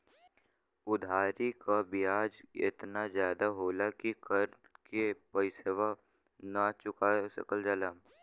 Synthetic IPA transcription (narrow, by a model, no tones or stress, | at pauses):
ʊd̪ʱaːɾikabijaːd͡ʒɪ̰t̪nazjaːd̪aɦoːlakikəɾ | kepəɪseːʋa | nat͡ʃʊkasə̰kəld͡ʒaːlaː